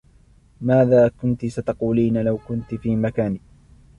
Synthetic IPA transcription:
maːðaːkʊnt̪sat̪ɑquːliːnalawkʊnt̪fiːmakaːniː

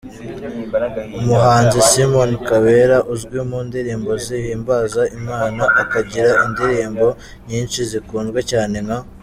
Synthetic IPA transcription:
umuɦaːnzisimonkaβe̞ɾaʔuzɡwimundiɾiːmbo̞zihiːmbazaʔimaːnaʔakaɟiɾaindiɾiːmbo̞ | ɲiːnʃizikuːnɡwecaːne̞ŋa

